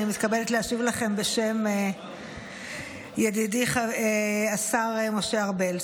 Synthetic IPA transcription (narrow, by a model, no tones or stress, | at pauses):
imit̪kabeletleaʃivlaχe̞mbe̞ʃe̞me | jedidiχaeasaʁemo̞ʃeaʁbel